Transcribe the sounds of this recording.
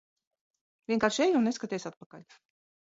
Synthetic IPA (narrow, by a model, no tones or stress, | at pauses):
vʲiɛŋkaːɾʃejunneskat̪ɛjsat̪̚pakaʎʲ